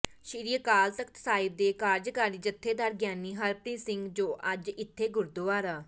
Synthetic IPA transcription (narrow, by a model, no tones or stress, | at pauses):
ʃiɾijəkaːlsəkt̪saːɪb̚d̪eːkaːɾd͡ʒkaːɾiːd͡ʒət̪ʰːeːd̪aːɾɡjaːniːɦəɾpɾĩːsɪ̃ŋɡd͡ʒoːʔəd͡ʒɪt̪ʰːeːɡʊɾd̪ʊaːɾaː